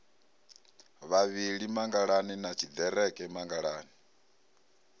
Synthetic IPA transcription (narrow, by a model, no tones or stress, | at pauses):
βaβiɺimaŋɡaɺaninat͡ʃʰid̪ɛɾɛkʼɛmaŋɡaɺaːni